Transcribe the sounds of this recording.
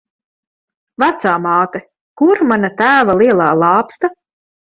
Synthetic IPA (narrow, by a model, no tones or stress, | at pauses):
vat̪saːmɑːt̪ɛ | kuɾmanat̪æːvalˠiɛlˠaːlˠɑːpst̪a